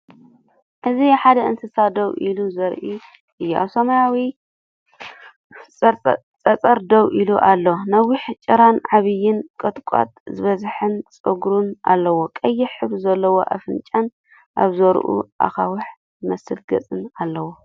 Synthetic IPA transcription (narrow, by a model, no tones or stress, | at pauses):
ʔɨziħad̪ɐɨnsɨsad̪owʔiluzɐɾʔi | ʔɨjːuʔa̰βsɐmajawi | t͡sʼɐt͡sʼɐɾd̪ɐwʔiluʔalːonɐwiħt͡ʃʼɨɾanʕaβɨjɪnkʼɨt̪ʼkʷʼa̰t̪ʼzɨβɐzħɨnt͡sʼɨɡɾunʔa̰lːɐwokʼɐjːɪħɨβzɐlːɐwoʔa̰fɨnt͡ʃʼan | ʔaβzɐɾʔṵʔa̰xawʊħ | ɨmɐsɨlɡɐ̰t͡sʼɨnalːɐwo